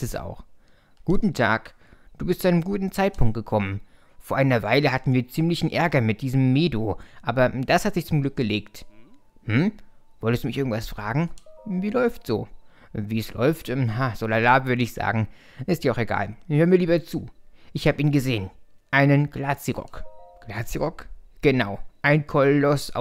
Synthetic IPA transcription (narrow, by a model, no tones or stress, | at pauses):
ɛsa̰ʊx | ɡ̥uːtn̩tʰa̰ːk | d̥uːbɪstt͡suʔaɪnəmɡuːtn̩t͡saɪt̚pʰʊŋkt̚ɡ̥əkʰɔmən | foːɐʔaɪnɐvaɪləhatn̩viːɐt͡siːmlɪçn̩ʔɛɐɡɐmɪt̚d̥iːzəmːeːdoʔaːbɐd̥ashatz̥ɪçt͡sʊmɡlʏk̚ɡ̥əleːkt | mm̩v̥ɔltəstd̥uːmɪçʔɪɐɡŋ̩tv̥asfʁ̥a̰ːɡŋ̩viːlɔʏftz̥o̰ː | viːslɔ̰ʏftʔɛmɦaːz̥olalaːvʏɐdəɪçz̥a̰ːɡŋ̩ | ʔɪstd̥iːaʊxeɡa̰ːlhøːɐmiːɐliːbɐt͡sṵːʔɪçhaːbəiːnɡəzeːənʔaɪnənɡ̥laːt͡siʁɔ̰kɡ̥laːt͡siʁɔkɡ̥ənaʊʔaɪnkʰɔllɔsa̰